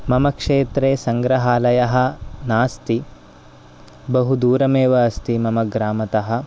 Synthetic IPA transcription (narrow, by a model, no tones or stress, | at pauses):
mɐmɐkʂeːt̪ɾeːsɐŋɡɾɐɦaːlɐjɐɦɐ̆naːst̪i | bɐɦud̪uːɾɐmeːʋɐːst̪imɐmɐɡɾaːmɐt̪ɐɦɐ̆